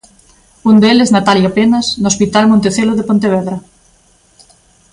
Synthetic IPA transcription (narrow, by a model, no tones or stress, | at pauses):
und̪eleznat̪aljapenaznospit̪almõnt̪eθeloðepont̪eβ̞ɛðɾɐ